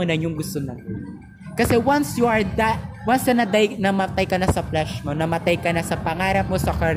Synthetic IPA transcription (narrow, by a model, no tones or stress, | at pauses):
onɐnjʊŋɡʊst̪onɐt̪ | kɐsɛwansjuɐɹd̪at̪wansɐnɐd̪ajnɐmɐt̪ajkɐnasɐflɛʃmonɐmɐt̪ajkɐnasɐpɐŋaːɾɐp̚mo̞sɐkɐɾ